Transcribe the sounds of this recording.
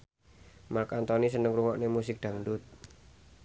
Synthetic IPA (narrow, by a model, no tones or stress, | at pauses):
markant̪ɔnisənəŋɾuŋɔʔnemusɪk̚d̪̥a̤ŋdʊt̪̚